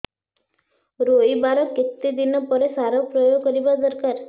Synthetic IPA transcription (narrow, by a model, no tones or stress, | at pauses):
ɾoibaɾɔket̪ːid̪inɔpɔɾesaɾɔpɾɔjoɡkəɾibad̪əɾkaɾ